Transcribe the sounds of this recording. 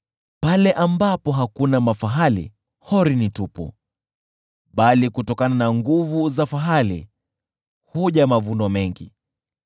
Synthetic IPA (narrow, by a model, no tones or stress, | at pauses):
palɛʔambapɔɦakunamafaɦalḭ | hɔɾinitupṵ | ɓalikutɔkananaŋɡuvuzafaɦalḭ | huʄamavundɔmɛŋɡḭ